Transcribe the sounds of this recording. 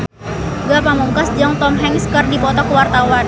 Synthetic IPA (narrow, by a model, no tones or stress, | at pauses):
ɡapamuŋkasd͡ʒɔŋt̪ɔmɦɛŋskərdipɔt̪ɔkəwart̪awan